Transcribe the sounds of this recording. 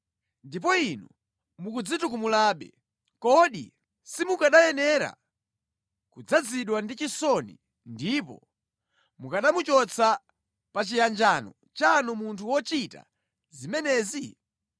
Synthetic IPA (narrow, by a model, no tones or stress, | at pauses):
ndip̬ɔinu | mukud͡zitukumulaːɓɛ̰ | kɔɗḭ | simukaɗajɛnɛɾa̰ | kud͡zad͡ziɗwandit͡ʃisɔnḭ | ndipɔ̰ | mukaɗamut͡ʃɔt͡sʰa | pat͡ʃijand͡ʒaːnɔ | t͡ʃanɔmuntʰuwɔt͡ʃita̰ | zimɛnɛːzi